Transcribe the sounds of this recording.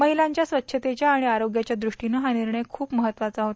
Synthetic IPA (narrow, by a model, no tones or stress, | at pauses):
məɦilaɲt͡ɕjasʋət̪ːɕʰət̪et͡ɕjaːɽ̃iaɾoɡjat͡ɕjad̪ɾuʂʈinəɦaniɾɳəjkʰuːpməɦət̪ːʋatt͡saɦot̪